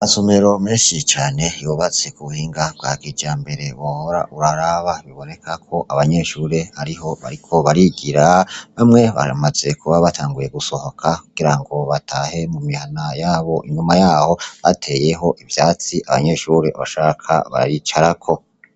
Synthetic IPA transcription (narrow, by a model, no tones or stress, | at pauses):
masome̞ɾo̞miːʃit͡ʃaːne̞juβaze̞kuβuhiːŋɡabɡwa̰ːɡid͡ʒaːmbe̞ɾe̞wohoɾaʔuɾaɾaβaβiβo̞ne̞kʰakʰo̞ʔaβaɲe̞ʃuːɾe̞aɾiɦo̞βa̰ɾikʰo̞βaɾiɡiɾaβamŋe̞βa̰maz̥e̞kuβaβatʰaːŋɡuje̞ɡuso̞ho̞kʰakuɡ̥iɾaŋɡo̞βatʰaːhe̞mumihanajaːβo̞ʔiɲumajaːho̞βa̰tʰe̞je̞ɦo̞ʔivjaːt͡siʔaβa̰ɲe̞ʃuːɾe̞̰βa̰ʃaːkʰa̰βa̰ɾit͡ʃaɾakʰo̞